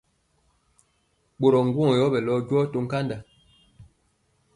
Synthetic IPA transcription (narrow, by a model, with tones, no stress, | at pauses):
ɓo˨ɾɔ˨ŋ̩˦ɡwɔ̃˦˨jɔ˨˦bɛ˨lɔ˦ɟwɔ˦to˦ŋ̩˦ka˦nda˨